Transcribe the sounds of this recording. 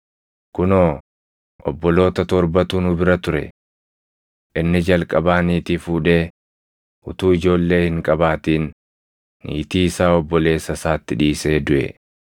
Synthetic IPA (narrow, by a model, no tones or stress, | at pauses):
kʊnoː | ʔɔ̰bːɔlo̞ːt̪ɐt̪ɔɾbɐt̪uːnʊbɪɾɐt̪ʊɾɛ̰ | ʔɪnːɪd͡ʒɐlkʼɐbaːniːt̪iːfuːᶑe̞ː | ʊt̪uːɪd͡ʒo̞ːlːe̞ːhɪŋkʼɐbaːt̪iːnː | ḭːt̪iːsaːɔbːɔle̞ːsɐsaːt̪ːɪᶑiːse̞ːd̪ʊʔɛ̰